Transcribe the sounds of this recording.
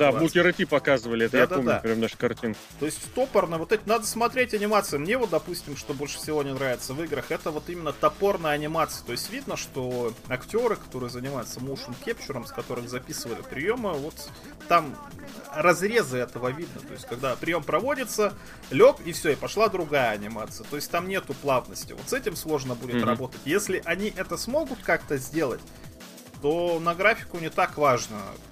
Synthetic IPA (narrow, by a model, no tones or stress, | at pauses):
d̪abukʲɪɾɨtʲipɐkazɨvəlʲɪɛt̪əjad̪aomʲapɾʲamnaʂkɐrtʲink | t̪o̞ɪsʲtʲt̪o̞pərnɨvo̞t̪ɛtʲɪnad̪əsmɐt̪ɾʲetʲɐnʲɪmat̪sɨjɪmnʲevo̞t̪̚d̪ɐpusʲtʲɪmʂt̪o̞bo̞lʲʂɨ̥fsʲɪvo̞nʲɪnɾavʲɪt̪səvɨɡɾəxɛt̪əvo̞t̪imʲɪnːət̪ɐpo̞rnəjəɐnʲɪmat̪sɨjə̥t̪o̞ɪsʲtʲvʲid̪nəʂt̪o̞ɐktʲo̞ɾɨkɐ̥t̪o̞ɾɨjəzənʲɪmajʊt̪səmuʂɨmkʲept͡ɕɪɾəmskɐt̪o̞ɾɨxzɐpʲisɨvəlʲɪ̰pɾʲɪjo̞mɨvo̞t̪ː | am | rɐzɾʲe̞zɨɛt̪əvəvʲid̪nə̰t̪o̞jɪsʲtʲkɐɡd̪apɾʲɪjo̞mpɾɐvo̞dʲɪt̪sə | lʲo̞kɪfsʲoɪpɐʂlˠad̪ɾʊɡajəɐnʲɪmat̪sɨjət̪o̞ɪsʲtʲt̪amnʲe̞t̪ʊplˠavnəsʲtʲɪ̰vot̪sɛtʲɪmslˠo̞ʐnəbudʲɪt̪rɐbo̞t̪ətʲjesʲlʲɪʔɐnʲiʔɛt̪əsmo̞ɡʊt̪kakt̪əzʲdʲe̞lˠə̰t̚ʲ | t̪o̞nəɡɾafʲɪ̥kʊnʲɪt̪akvaʐnə̰